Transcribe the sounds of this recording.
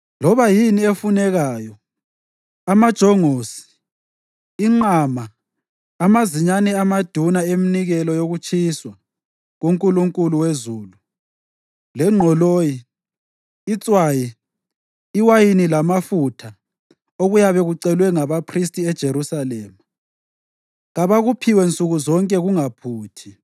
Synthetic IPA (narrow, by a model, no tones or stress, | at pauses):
lɔβajiniefunɛɣaːjɔ | amad̥ʒ̥ʱɔŋoːsi̥ | ŋ͡ǃamaː | maziɲanɛamad̥ʱunaeminiɣɛlɔjoɣut͡ʃʰʼiswa | ɣuŋkʼuluŋkʼuluwezuːlu | lɛŋ͡ǁʱɔloːjiː | t͡sʼwaji | iwajinilamafutʰa | oɣujaβɛɣuǀɛlwɛŋaβapʰristʼiɛd̥ʒ̥ʱeɾusalɛːma | ɣaβaɣupʰiwɛnt͡sʼuɣuzɔŋkʼɛɣuŋapʰuːtʰi